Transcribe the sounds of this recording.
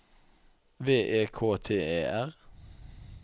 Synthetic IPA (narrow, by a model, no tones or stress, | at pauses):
ʋeːʔeːkʰoːt̪ʰeːeːʔæʁ